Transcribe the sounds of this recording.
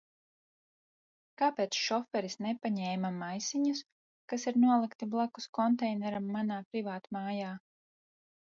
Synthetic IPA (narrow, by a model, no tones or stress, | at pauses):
kapeːt̪sʃɔfɛɾisnepaɲɛːmamajsiɲus | kasiɾnuɔlˠikt̪iblˠakuskɔnt̪ɛjnɛɾamːanaːpɾivaːt̪maːjaː